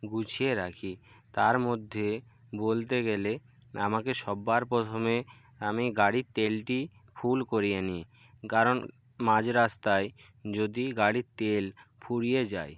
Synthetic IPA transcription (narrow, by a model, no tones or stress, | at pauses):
ɡut͡ɕʰieɾakʰi | t̪aɾmod̪ʱːe | bolt̪eɡele | amakeʃɔbːaɾpot̪ʰome | amiɡaɽit̪elʈi | fʰulkoɾijenie | kaɾon | mãd͡ʑɾast̪ae | d͡ʑod̪iɡaɽit̪elpʰuɽijed͡ʑa̰j